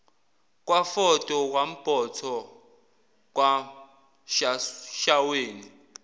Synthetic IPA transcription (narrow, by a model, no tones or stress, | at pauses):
k̬ʼwafɔtʼɔk̬wam̩b̥ʱɔtʰɔ | k̬ʼwa | ʃaʃaweːni